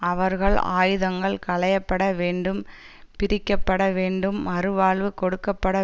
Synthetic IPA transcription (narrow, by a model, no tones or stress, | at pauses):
ɐʋɐɾɣɐɭa̰ːjɯðɐŋɡɐɭkɐɭɐjɐpːɐɽɐʋeːɳɖɯm | pɪɾɪkːɐpːɐɽɐʋeːɳɖɯmɐɾɯʋaːɭʋɯkɔɽɯkːɐpːɐɽɐ